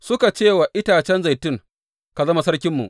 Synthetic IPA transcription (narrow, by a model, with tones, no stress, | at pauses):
sʊ˦ka˨t͡ʃeː˦˨wa˨ʔɪ˦taː˨t͡ʃɛ˦nza˨jtɪ˦˨ŋ | ka˨zɐ˦ma˨sɐ˦rkʲɪ˦mːṵ˨ʔ